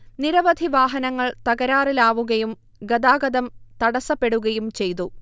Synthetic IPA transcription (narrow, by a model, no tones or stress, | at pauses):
niɾɐʋɐd̪ʱiʋaːɦɐnɐŋːɐɭt̪ɐɣɐɾaːrilaːʋuɣɐjum | ɡɐd̪aːɡɐd̪ɐmt̪ɐɽɐsɐpːe̞ɽuɣɐjumt͡ɕe̞jt̪̬u